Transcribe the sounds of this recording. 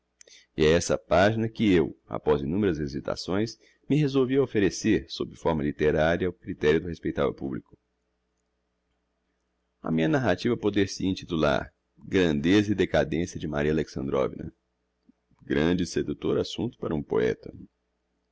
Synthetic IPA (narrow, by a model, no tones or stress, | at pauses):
ɪɛɛsɐ̰paʒinɐkɪewa̰pɔzinũmeɾɐzezit̪a̰sõj̃s | mɪɦezowviɐofeɾeseɾso̰bɾɪfɔɾmɐlit̪eɾaɾjɐʊkɾit̪ɛɾjʊd̪ʊhespejt̪avɐ̰publikʊ̥ | ɐ̰mĩɲɐnaɦat͡ʃivɐpod̪eɾsɪĩnt̪it̪ula̰ɾ | ɡɾɐ̃nd̪ezɐid̪ekad̪ẽsjɐd͡ʒɪmaɾiɐaleksɐ̃nd̪ɾɔ̰vinɐ̰ | ɡɾɐ̃d͡ʒɪsed̪ut̪oɾasũnt̪ʊ̥paɾɐũpo̰ɛ̰t̪ɐ